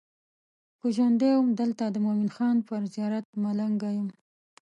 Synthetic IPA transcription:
puʒand̪ewmd̪əlt̪ad̪əmominxɑnpəɾzijɑɾat̪̚malaŋɡajum

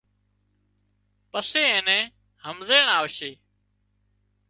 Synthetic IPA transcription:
pəseːẽːnɛ̃ː | həmzeːɳaːʋəʃeː

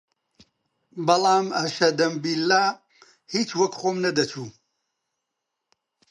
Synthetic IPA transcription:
bɐlˠaːmɐʃɐd̪ɐmbilːaː | hiːt͡ʃwɐkχoːmnɐd̪ɐt͡ʃʰuː

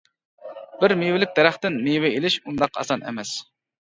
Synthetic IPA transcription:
bɪɾmewɪlɪk̚ʲd̪ɛɾæχt̪ɪnmewɪelɪʃund̪ɑqɑ̰sɑnʔɛ̰mɛs

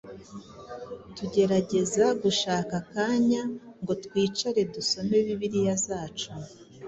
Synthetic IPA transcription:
tuɟe̞ɾaɟe̞zaɡuʃaːkakaːɲaŋɡo̞tkwiːt͡ʃaɾe̞duso̞me̞βiβiɾijazaːt͡ʃu

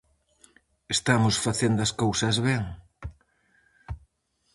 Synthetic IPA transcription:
est̪amʊsfaθend̪ʊɐskowsɐzβɛŋ

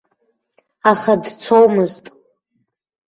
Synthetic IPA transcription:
aχadt͡sʷʰowmɨztʼ

